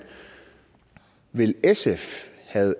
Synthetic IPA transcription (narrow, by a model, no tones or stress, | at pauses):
ʋe̝lesefhæð̩ˠ